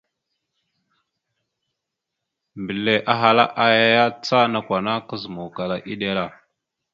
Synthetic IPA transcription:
mbə˨le˨ʔa˨ɦa˨la̰˦ʔa˨ja˦ja˦t͡sa˦na˨kʷa˨na˦kə˦zə˨mu˨ka˨la˨ʔi˦ɗe˦la˦˨

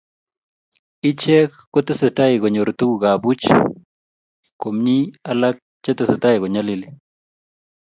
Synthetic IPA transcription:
ɪ˦t͡ʃɛ˦kːo˦tɛ˦se˨ta˦ɪ˨kɔ˨ɲo˨ɾt̪u˦kɡa˨bu˦t͡ʃ | ko˨mɲi˦a˦la˦k̚ | t͡ʃɛ˦t̪ɛ˨sɛ˨ta˦ɪ˨kɔ˨ɲa˦lɪ˦li˦

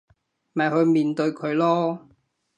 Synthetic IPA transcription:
mɐ˨˩jɦɵ˨˧ɥmiː˨nt̪ɵ˧ɥkʰɵ˨˧ɥlɔː˥

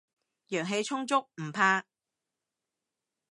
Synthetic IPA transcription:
jœː˨˩ŋɦe˨˧jt͡ʃʰʊ˥ŋt͡sʊ˥k̚m̩˨˩pʰaː˧

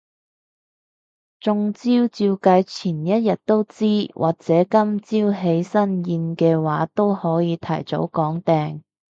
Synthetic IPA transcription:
t͡sʊ˧ŋt͡siː˥wt͡siː˧wkɐ˧jt͡sʰiː˨˩njɐ˥t̚jɐ˨t̚t̪o˥wt͡siː˥wʔa̰ː˨˩k̚t͡sɛː˨˥kɐ˥mt͡siː˥wɦe˨˥jsɐ˥njiː˧nkɛː˧waː˨˥t̪o˥whɔː˨˥jiː˨˧t̪ʰɐ̰˨˩jt͡so̰˨˥wkɔː˨˥ŋt̪ɛː˧ŋ

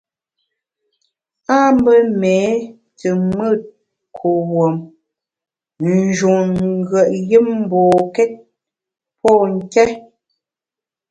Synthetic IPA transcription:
a˦˨m˦bə˦mɛː˨˦ | tʰə˨mə˦˨t̚ | kʰo˨wo˨m | n̩˨d͡ʒo˨n˦ɣɥə˨ʔji˦mm̩˦bɔː˨kɛ˦t̚ | pʰɔ˦˨ŋ̩˦kɛ˦

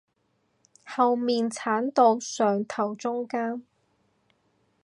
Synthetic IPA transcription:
hɐ˨wmiː˨nt͡sʰaː˨˥nt̪o˨˧wsœː˨ŋt̪ʰɐ˨˩wt͡sʊ˥ŋkaː˥n

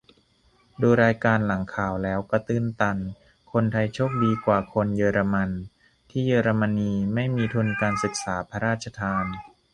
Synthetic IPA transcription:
doː˧jɾaː˧jkaː˧nla˩˦ŋkʰaː˨˩wlɛː˦˥wka˧˩t̪ɯː˥˩nt̪a˧n | kʰo˧nt̪ʰa˧jt͡ɕʰoː˥˩k̚diː˧kwaː˨˩kʰo˧njɤː˧ɾa˧ma˧n | t̪ʰiː˥˩jɤː˧ɾa˧ma˧niː˧ma˥˩jmiː˧t̪ʰu˧nkaː˧nsɯ˨˩k̚saː˩˦pʰa˧ɾaː˥˩t̪̚t͡ɕʰa˧t̪ʰaː˧n

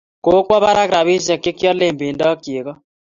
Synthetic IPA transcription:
ko˦kwɔ˦βa˦ɾa˦kɾa˨βi˦sɛ˨kːɪ˦kjɔ˦leː˦˨mbeː˨ndɔː˦kːje˨kɔ˦

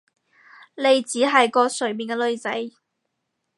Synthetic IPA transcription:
le˨˧jt͡siː˨˥ɦɐ˨jkɔː˧sɵ˨˩ɥmiː˨nkɛː˧lɵ˧ɥt͡sɐ˨˥j

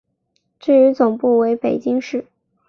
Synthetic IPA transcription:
ʈ͡ʂɻ̩˥˩y˧˥t͡sʊ˨˩ŋpu˥˩we˧˥ɪpe˨˩ɪt͡ɕi˥ŋʂɻ̩˥˩

